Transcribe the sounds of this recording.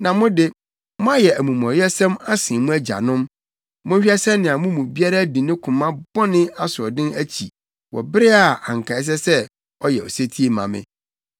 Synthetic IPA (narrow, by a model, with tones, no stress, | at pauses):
nã˨mʊ̃˦dɪ˦ | mʊ̃˦a˦jɛ˨æ˨mũ˨mɔ̃˨ɾjɛ˦sɛ̃˦ma˦sɪ̃˨mũ˦æ˦d͡ʑa̰˨nʊ̃˦m | mʊ̃˦ɕᶣi˦ɛ˦sɛ̃˦mnɪ̃˨a˨mʊ̃˦mũ˨bi˦a˦ɾa˦bi˨nɪ̃˦kʰʊ̃˨mã˦bɔ˦nɪ̃˦a˦sʊ˨ɔ˨dɪ̃˦næ˦t͡ɕʰi˨ | wɔ̰˨bɪ˦ɾɪ˦a˨a˨ŋ˨kʰã˨ɪ˦s̬ɛ˦sɛ˦ | ɔ˦jɛ˨ɔ̰˨se˦tʰi˦e˨mã̰˨mɪ̰̃˦